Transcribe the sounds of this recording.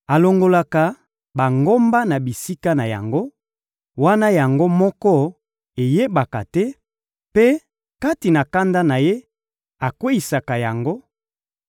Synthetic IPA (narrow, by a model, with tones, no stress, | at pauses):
a˨lo˨ŋɡo˨la˨ka˨ | ba˨ŋɡo˦mba˦na˨bi˨si˦ka˦na˨ja̰˨ŋɡo˦ | wa˦na˦ja˨ŋɡo˦mɔ˦kɔ˦ | e˨je˦ba˨ka̰˨tɛ˦ | pe˦ | ka˦ti˨na˨ka˦nda˦na˨je˦ | a˨kwe˦i˨sa˨ka˨ja˨ŋɡo˦